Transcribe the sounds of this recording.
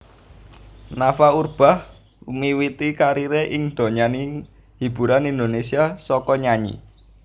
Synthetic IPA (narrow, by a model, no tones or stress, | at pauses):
nafaurb̥a̤h | miwit̪ikaɾiɾeʔɪŋd̪̥o̤ɲani | hib̥ṳɾanind̪onesiasɔkɔɲaɲḭ